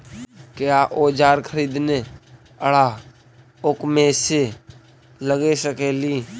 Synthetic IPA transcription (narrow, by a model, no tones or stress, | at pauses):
kjaʔoːd͡ʒaːɾkʰəɾiːd̪ne | əɽa | ʊkmẽse | ləɡesəkeliː